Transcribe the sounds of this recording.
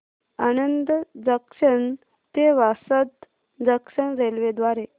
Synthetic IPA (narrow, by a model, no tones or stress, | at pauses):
anənd̪d̪əkʂəɳ | t̪eʋasət̪ | d̪əkʂəɳd͡zelʋed̪ʋaɾe